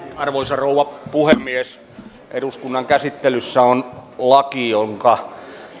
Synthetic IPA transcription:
ɑrʋoisɑrouʋɑpuhemːies | ʔeduskunːɑŋkæsit̪ːelysːæonlɑkijoŋkɑ

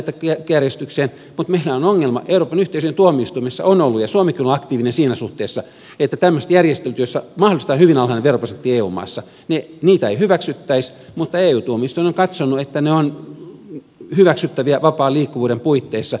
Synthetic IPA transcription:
et̪ːækækjærjest̪ykseːn | mut̪meilæonoŋːelmɑ̰ʔeuroːpɑnyht̪eˑisyent̪uomiist̪uimesːɑ̰onolːujɑsuomekːˑiloɑkt̪iːʋinensiːnæsuht̪eːsːɑ | et̪ːæt̪æmːøst̪jærjest̪elt̪yosːɑmɑhdolist̪ɑhyʋinɑlhɑineʋeroprosent̪ːieːṵːmːɑ̰isːɑ | neniːt̪æeihyʋæksyt̪ːæis | mut̪ːɑeːuːt̪uomist̪uinoŋkɑt̪sonːuet̪ːæneon | hyʋæksyt̪ːæʋiæʋɑpɑːliːkːuʋuːɾempuit̪ːeisːɑ

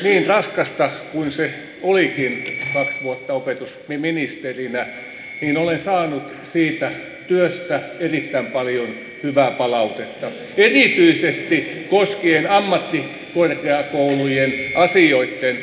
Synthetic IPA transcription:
niːnrɑskɑst̪ɑkunse | olikinkɑksʋuot̪ːɑopet̪usmiminist̪erinæ | niːnolensɑːnut̪ | siːt̪æ | t̪yøst̪æerit̪ːæimpɑljon | hyʋæˑpɑlɑut̪et̪ːɑ | erit̪yisest̪ikoskienɑmːɑt̪ːi | korkeɑkoulujenʔɑsioit̪ːen

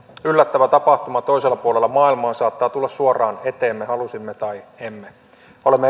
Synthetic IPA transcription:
ylːæt̪ːæʋæt̪ɑpɑht̪umɑt̪o̞iselːɑpuolelːɑmɑːilmɑːnsɑːt̪ːɑːt̪ulːɑssuorˑɑːnet̪eːmːehɑlusimːet̪ɑiemːe | olemːe

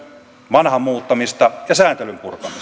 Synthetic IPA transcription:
ʋɑnhɑmːuːt̪ːɑmist̪ɑjɑsæːnt̪elympurkɑmis

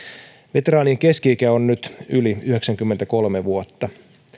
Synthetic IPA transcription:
ʋe̞t̪eɾɑːnieŋke̞skiːkæonnyt̪yliyhe̞ksæŋkymːent̪æko̞lmeʋuot̪ːɑ

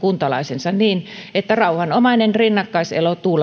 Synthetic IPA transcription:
kunt̪ɑlɑ̰isensɑnniːnet̪ːærɑuhɑnomɑinenrinːɑkːɑisḛlot̪uːl

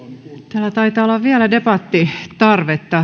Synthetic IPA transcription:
t̪æːlːæt̪ɑit̪ɑːolːɑʋʋiælædepɑt̪ːit̪ɑrʋet̪ːɑ

